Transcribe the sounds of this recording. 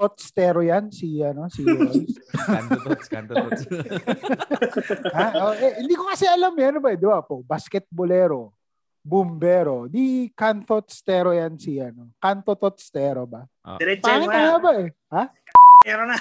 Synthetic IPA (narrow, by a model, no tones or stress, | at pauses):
t̪ot̪̚st̪ɛːɾojansiɐnosi | haoʔɛhɪnd̪ikokɐsɛʔɐlamɐnobɐɛd̪ɪbapobaskɛt̪̚bolɛːɾo̞ | bʊmbɛːɾo̞d̪ikant̪ot̪st̪ɛːɾojansiɐnokant̪ot̪ot̪̚st̪ɛːɾobɐ | ɛpaːnɪt̪alabaʔɛ | ha | ɛɾo